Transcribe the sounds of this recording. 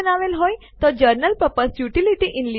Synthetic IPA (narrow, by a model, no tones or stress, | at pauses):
ənaʋelɦoj | t̪ɔd͡ʑəɾnəlpəpəsjuʈiliʈiʔinli